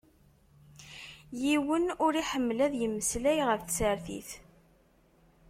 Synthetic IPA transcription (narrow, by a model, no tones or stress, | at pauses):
jiwənʊɾiħəmːlæðjəmːəslæjʁəfθsəɾθḭθ